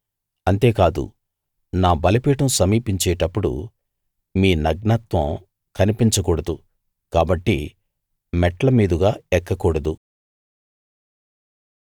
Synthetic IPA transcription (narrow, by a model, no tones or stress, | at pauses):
ɐnt̪e̞ːkaːd̪ṵ | naːbɐlɐpiːʈɐmsɐmiːpiɲt͡ʃɛːʈɐpːuɽṵ | miːnɐɡɳaːt̪ʋɐ̃m | kɐnipiɲt͡ʃɐkuːɽɐd̪u | kaːbɐʈːi | mɛʈːɐlɐmiːd̪uɡaːɛkːɐkuːɽɐd̪u